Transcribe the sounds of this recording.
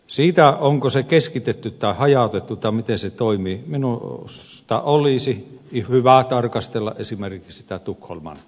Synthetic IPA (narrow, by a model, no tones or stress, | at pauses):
siːt̪æʔoŋkosekeskit̪et̪ːyt̪t̪ːɑˑehɑjɑˑt̪et̪ːut̪ɑmit̪enset̪oimiminus | t̪ɑ̰ʔoliˑsihyʋæt̪ɑrkɑst̪elːɑ̰ʔʔesimerkikssi̥t̪æt̪ukho̰lmɑ̰n